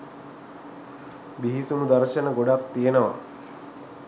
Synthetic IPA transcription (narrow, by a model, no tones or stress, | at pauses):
biɦisumud̪aɾʃənəɡoɖak̚t̪ijenəʋa